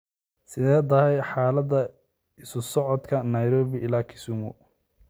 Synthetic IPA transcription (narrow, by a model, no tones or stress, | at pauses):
sɪðɛːd̪ɐɾɛjħaːlɐd̪ɐ | ɪsʊsɔʕɔd̪kʰɐnɐjɾɔːβɪʔɪlaːkʰɪ̥sʊmʊ